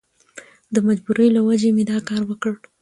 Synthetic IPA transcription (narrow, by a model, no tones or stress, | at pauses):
d̪əmad͡ʒbuɾəjlawad͡ʒemed̪ɑkɑɾwəkəɽ